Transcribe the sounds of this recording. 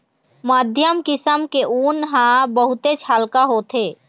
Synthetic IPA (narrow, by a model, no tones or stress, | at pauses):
maːd̪ʱjəmkɪsəmkeʔuːnɦãbəɦʊt̪et͡ʃʰaːlkaɦoːt̪ʰeː